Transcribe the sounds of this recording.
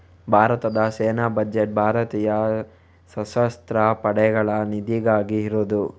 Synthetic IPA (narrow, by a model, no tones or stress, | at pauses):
bʱaːɾɐt̪ɐd̪ɐseːnaːbɐd͡ʒeʈ̚bʱaːɾɐt̪iːjɐ | sɐsɐst̪ɾɐpɐɽɛɡɐɭɐnid̪iɡaːɡiːɾoːd̪u